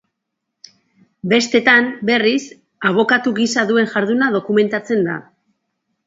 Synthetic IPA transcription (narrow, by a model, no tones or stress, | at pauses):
be̞st̪e̞t̪anbe̞ris | aβ̞o̞kat̪uɣisaðue̞nʝaɾðunað̞o̞kume̞nt̪at͡se̞nd̪a̰